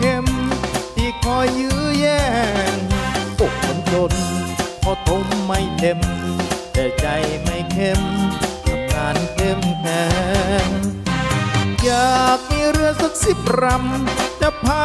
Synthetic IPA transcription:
kʰe˧˥˩mt̪ʰiː˧˩kʰɔ˧˩jːɯː˧˥jɛː˧˩ | po˨˩k̚mo˨˧˦nt̪o˧npʰɔ˧˩t̪ʰo˧˥mːa˧˩jt̪e˧mt̪ɛː˨˩t͡ɕa˧jma˧˩jkʰe˧˩ma˨˧˩kʰaː˨˩˥nkʰe˧˥˩mnɛː˧ | jaː˨˩k̚miː˧˥ɾɯ˧əsa˧˦˥k̪̚si˨˩p̚ɾa˧mt͡ɕa˧˩pʰaː˧

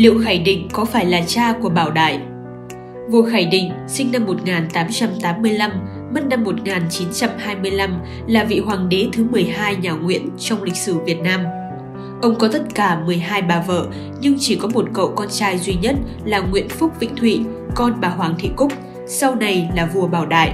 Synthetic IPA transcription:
lḭ˧˨əwxaː˧˩jɗï˧˨ŋ̟kɔ˨˦faː˧˩jlaː˨˩t͡ɕaː˧ku˧˩əɓaː˧˩wɗa̰ː˧˩j | vo̰˧˨xaː˧˩jɗḭ̈˧˨ŋ̟ | sï˧ŋ̟na˧mːo˨˩t̚ŋaː˨˩nt̪aː˨˦mt͡ɕa˧mt̪aː˨˦mːɨ˧əjla˧mː | ə˦˥t̚na˧mːo˨˩t̚ŋaː˨˩nt͡ɕi˨˦nt͡ɕa˧mhaː˧jmɨ˧əjla˧m | laː˨˩vḭ˧˨ɦwaː˨˩ŋɗe˨˦t̪ʰɨ˨˦mɨ˨˩əjɦaː˧jɲaː˨˩ŋwḭ˧˥ənt͡ɕɔ˧wŋ͡mlï˨˩k̚sɨ˧˩vi˨˩ət̚naː˧m | ʔə˧wŋ͡mkɔ˨˦t̪ə˦˥t̚kaː˧˩mɨ˨˩əjɦaː˧jɓaː˨˩və̰ː˧˨ | ɲɨ˧ŋt͡ɕi˧˩kɔ˨˦mo˨˩t̚kə̰˧˨wkɔ˧nt͡ɕaː˧jzwi˧ɲə˦˥t̚ | laː˨˩ŋwḭ˧˨ənfʊ˦˥k͡p̚vḭ̈˧˨ŋ̟t̪ʰwḭ˧˨ | kɔ˧nɓaː˨˩ɦwaː˨˦ŋt̪ʰḭ˧˨kʊ˦˥k͡p̚ | sa˧wna˨˩jlaː˨˩vu˨˩əɓaː˧˩wɗa̰ː˧˨jʔ

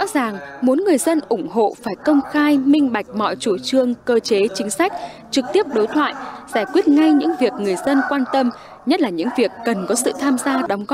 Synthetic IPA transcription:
zɔ̰˧˥zaː˨˩ŋmu˨˦ənŋɨ˨˩əjzə˧nʔʊ˧˩ŋ͡mɦo̰˧˨faː˧˩jkə˧wŋ͡mxaː˧jmï˧ŋ̟ɓa˨˩jk̟̚mɔ̰˧˨jt͡ɕu˧˩t͡ɕɨ˧əŋkəː˧t͡ɕe˨˦t͡ɕï˨˦ŋ̟sa˦˥jk̟̚ | t͡ɕɨ˨˩k̚t̪i˦˥əp̚ɗo˨˦jt̪ʰwa̰ː˧˨jzaː˧˩jkwi˦˥ət̚ŋa˧jɲɨ̰˧˥ŋvi˨˩ək̚ŋɨ˨˩əjzə˧nkwaː˧nt̪ə˧m | ɲə˦˥t̚laː˨˩ɲɨ̰˧˥ŋvi˨˩əkːə˨˩nkɔ˨˦sɨ̰˧˨t̪ʰaː˧mzaː˧ɗa˨˦wŋ͡mɣɔ˦˥

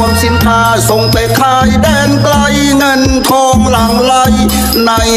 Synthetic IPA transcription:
msi˨˩˦nk̪ʰaː˧so˨˩ŋpa˨jkʰlaː˧jdɛː˧˩ŋkla˧j | ŋɤ˧n | kʰɔː˧mla˨˩ŋla˧j | na˧j

